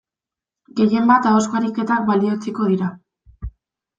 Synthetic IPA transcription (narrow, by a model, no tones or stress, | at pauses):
ɡe̞je̞mbat̪aoskaɾike̞t̪abalio̞t͡siko̞ð̞iɾa